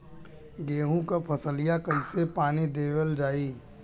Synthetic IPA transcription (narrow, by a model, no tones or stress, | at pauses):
ɡeːɦũkapʰəsəlijakəɪsepaːnid̪eːwəld͡ʒaːiː